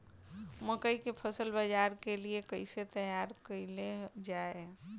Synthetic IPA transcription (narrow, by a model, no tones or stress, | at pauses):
məkəikepʰəsəlbəd͡ʒaːɾkeliekəɪset̪əjaɾkəɪled͡ʒae